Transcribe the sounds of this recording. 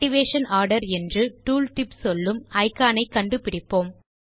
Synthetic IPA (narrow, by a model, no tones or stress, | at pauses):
ʈɪʋeːʂɐnaːɾɽɐɾɛndrɯʈuːlʈɪpsɔlːɯmɐɪkːaːnɐɪkːɐɳɖɯpɪɽɪpːoːm